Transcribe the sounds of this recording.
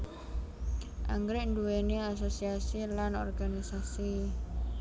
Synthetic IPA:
ʔa̰ŋɡɾɪʔnduweneas̬osiasilanɔ̰rɡanisasi

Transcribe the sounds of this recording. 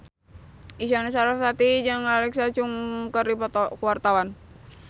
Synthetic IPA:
isanɛs̬aɾafsat̪id͡ʒaŋalɛksat͡ʃuŋkərdipɔt̪ɔkuwart̪awan

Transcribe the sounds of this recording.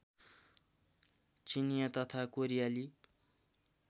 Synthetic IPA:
t͡sinijʌt̪ʌt̪ʰakoɾijali

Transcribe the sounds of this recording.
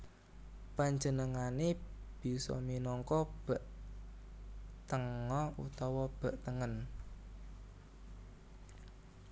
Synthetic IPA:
paɲd͡ʒənəŋane | b̥i̤sɔ̰minɔŋkɔb̥əʔ | t̪əŋɔṵt̪ɔwɔb̥ə̤ʔt̪əŋən

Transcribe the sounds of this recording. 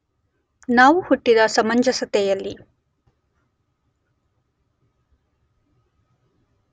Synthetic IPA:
naːʋuhuʈːid̪ɐsɐmɐɲd͡ʒɐsɐt̪ɛjɐlːi

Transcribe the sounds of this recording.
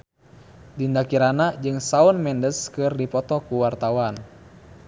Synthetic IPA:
dindakiɾanad͡ʒɨŋsaɔnmɛndəskɨrdipɔt̪ɔkuwart̪awan

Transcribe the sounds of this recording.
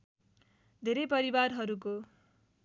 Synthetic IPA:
d̪ʱeɾʌjpʌɾibarɦʌɾuko

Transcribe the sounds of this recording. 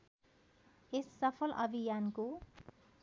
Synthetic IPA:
esːʌpʰʌlʔʌbʱijanko

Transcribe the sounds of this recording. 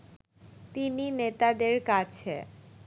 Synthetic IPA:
t̪ininet̪ad̪eɾkat͡ɕʰe

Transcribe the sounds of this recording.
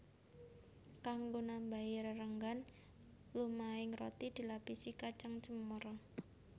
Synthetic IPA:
kaŋɡonambaɪɾrəŋɡan | lumaɪŋrot̪id̪̥i̤lapisikat͡ʃaŋt͡ʃəmər

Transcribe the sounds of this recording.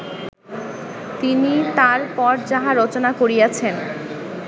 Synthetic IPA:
t̪init̪aɾpɔɾd͡ʑaɦaɾɔt͡ɕonakoɾijat͡ɕʰen

